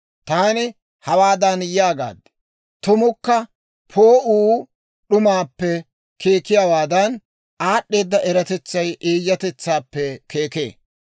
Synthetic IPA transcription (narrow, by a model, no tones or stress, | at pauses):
t̪aːnɪ | hɐwaːd̪ɐnjaːɡa̰ːd̪ɛ̥ | t̪ʊmʊkːɐ | pʰoːʔuː | ɗʊmaːpːɛ | kʰe̞ːkɪjaːwaːd̪ɐn | aːɗːe̞ːd̪ːɐʔɛɾɐt̪ɛt͡sːɐjʔeːjːɐt̪ɛt͡sːaːpːɛkeːke̞̰ː